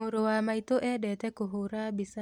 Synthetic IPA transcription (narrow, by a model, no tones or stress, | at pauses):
oɾowamait̪oʔɛdɛtɛkoɦoɾabisa